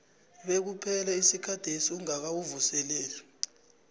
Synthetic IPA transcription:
ɓek̬upʰɛlaisikʰad̥ʱesiuŋak̬awuvusɛlɛːlɛ

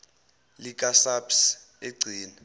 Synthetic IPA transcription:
lik̬ʼasaps | eɡ͡ǀʱiːna

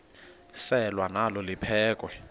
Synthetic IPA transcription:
sɛlwanalɔlipʰɛːkʼwɛ

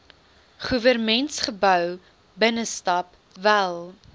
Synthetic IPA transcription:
χuvərmɛntsχəbœw | bənəstɐp | vælˠ

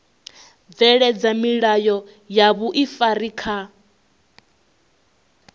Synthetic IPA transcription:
vɛɺɛd͡zamiɺajɔ | jaβuʔifaɾiːkʰa

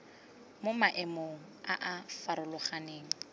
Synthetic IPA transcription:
momaʔɪmoŋ̩ | aʔafaɾʊlʊχaneːŋ̩

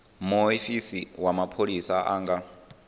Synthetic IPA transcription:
moifisiwamapʰolisaʔaːŋɡa

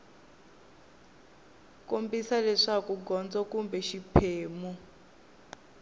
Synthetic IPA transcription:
kombisalɛʂakuɡɔnd͡zɔkumbɛʃipʰeːmu

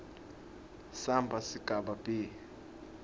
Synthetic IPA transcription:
sambʱasiɡ̥ʱaɓapʼiː

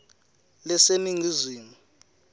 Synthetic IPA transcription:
lɛseniŋiziːmu

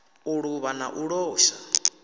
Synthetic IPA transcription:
uɺuβana̰ʔuɺɔːʃa

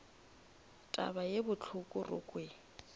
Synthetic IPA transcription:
tʼa̰bajebʊt͡ɬʰʊkʼʊrʊ̰kʼwe

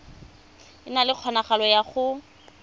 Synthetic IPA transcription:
ɪnalɪq͡χʰɔnaχalɔjaχʊ

